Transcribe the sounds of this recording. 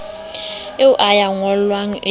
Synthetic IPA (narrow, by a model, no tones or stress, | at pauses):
ɪʊʔajaŋɔllwaŋ̩ʔɪ